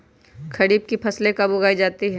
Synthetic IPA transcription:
kʰɐɾiːb̚kipʰɐslẽkɐbʊɡaːid͡ʒaːt̪iɦɛ̃

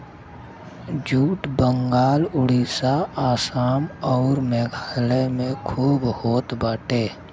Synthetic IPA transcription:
d͡ʒuːʈbəŋɡaːlʊɽisaaːsaːmɔːɾmɛːɡʱaːlemẽkʰuːbhoːt̪baːʈeː

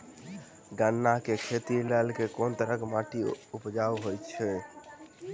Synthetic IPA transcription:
ɡanːakekʰet̪ilɛlkekont̪əɾəkemaʈiupd͡ʒawɦojt͡ʃʰɛ

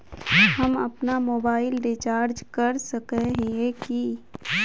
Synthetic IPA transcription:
hɐmɐ̰pnamoːbaːɪlɾɪt͡ʃaːɾd͡ʒkɐɾsɐkeɦeeki

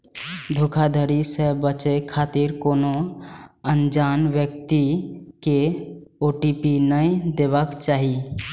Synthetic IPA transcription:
d̪ʱokʰad̪ʱəɾisəbət͡ʃekʰat̪iɾkono | ənd͡ʒanʋjək̚t̪ike | oʈipinəid̪eβəkt͡ʃaːɦi

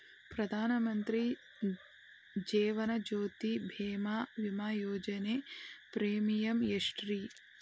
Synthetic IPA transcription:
pɾɐd̪ʱaːnɐmɐnt̪ɾi | d͡ʒeːʋɐnɐd͡ʒoːt̪ibʱeːmaːʋimaːjoːd͡ʒɐneːpɾeːmijɐmjeʂʈɾi

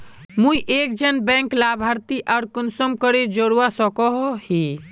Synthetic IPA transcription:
mũiʔeːk̚d͡ʒənbɛ̃ːŋklaːbʱaːɾt̪iʔaːɾkʊnsəmkəɾed͡ʒoɽwasɔkɔɦhi

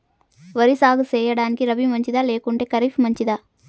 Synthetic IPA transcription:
ʋɐɾisaːɡut͡ʃɛːjɐɽaːnikiɾɐbimɐɲt͡ʃid̪aːleːkuɳʈe̞ːkɐɾifmɐɲt͡ʃid̪aː

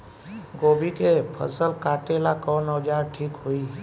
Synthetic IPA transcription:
ɡobikepʰə̰səlkaʈelakɔnəd͡ʒaɾʈʰikɦoi

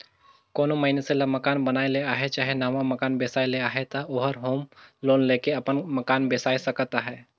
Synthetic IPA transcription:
koːnoməineselɐmɐkaːnbənaːeleaːɦet͡ʃaːɦenaːmamɐkaːnbeːsaːileaːɦet̪aoɦəɾɦoːmloːnleːkeɐpənməkaːnbeːsaːisɐkt̪aɦɛː

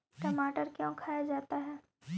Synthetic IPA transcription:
ʈɐmaːʈəɾkjõːkʰaːjad͡ʒaːt̪aɦɛː

